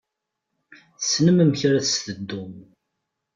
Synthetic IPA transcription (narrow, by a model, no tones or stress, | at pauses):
θəsnəməmçɾæθst̪əd̪ːʊm